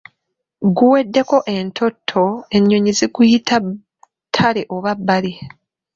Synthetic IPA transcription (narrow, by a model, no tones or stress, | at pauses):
ɡuwe̞dːe̞ko̞ʔe̞ntʰo̞tʰːo̞e̞ɲːo̞ɲiziɡujitʰa | tʰale̞ʔoβabːali